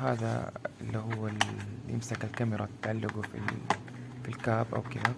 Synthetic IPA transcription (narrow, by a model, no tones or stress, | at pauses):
ɦaːða̰ɪlːiɦʊwːɪlʔɪ̰msakalkamɪɾˤɑt̪ːaʕalːaɡufḭ | filkaːbʔa̰wkɪd̪a